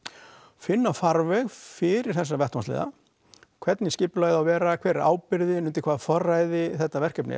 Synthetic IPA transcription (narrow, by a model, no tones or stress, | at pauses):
fɪnːafaɾvɛɣfɪɾɪɾ̥θɛsːavɛht̪manslɪ̰ːða̰ | kʰvɛt̪nɪscɪːplaɥððawvɛːɾakʰvɛːɾa̰ːwpɪɾðɪnʏnt̪ɪ̥kʰvaːðfɔrːajðɪθɛht̪ːavɛr̥kœpnɪ̰